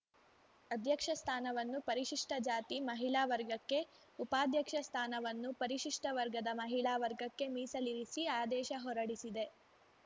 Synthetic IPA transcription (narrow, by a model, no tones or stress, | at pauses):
ɐd̪ʱjɐkʂɐst̪ʰaːnɐʋɐnːupɐɾiʃiʂʈɐd͡ʒaːt̪imɐɦiɭaːʋɐɾɡɐkːe̞ | upaːd̪ʱjɐkʂɐst̪ʰaːnɐʋɐnːupɐɾiʃiʂʈɐʋɐɾɡɐd̪ɐmɐɦiɭaːʋɐɾɡɐkːe̞miːsɐliɾisiaːd̪ɛːʃɐɦɔɾɐɽisid̪e̞